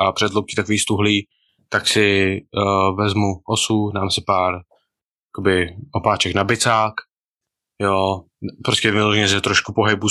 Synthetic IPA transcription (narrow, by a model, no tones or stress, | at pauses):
ʔapr̥ɛdlowkit̪akoiːst̪uɦliː | t̪aksɪ | vɛzmuʔosudaːmsɪpaːɾ | jakobɪʔopaːt͡ʃɛknabɪt͡saːk | jo | pɾoscɛvɪloʒɛɲɛs̬ɪt̪ɾoʃkupoɦɪbu